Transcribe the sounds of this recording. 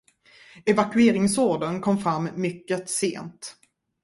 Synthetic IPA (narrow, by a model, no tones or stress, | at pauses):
ɛvakɵeːɾɪŋsoːɖənkʰɔmfɾamːʏkːət̪sḛːnt̪